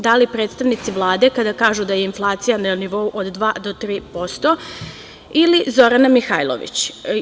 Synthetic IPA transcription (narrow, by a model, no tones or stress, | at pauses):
d̪alipɾe̞ːt̪st̪aʋnit̪siʋlˠaːd̪e̞kad̪akaːʒud̪ajeinflˠaːt̪sijananiʋo̞uʔod̪ːʋaːd̪o̞t̪ɾiːpo̞st̪o̞ | ilizo̞ɾanamixajlˠo̰ʋḭt͡ɕ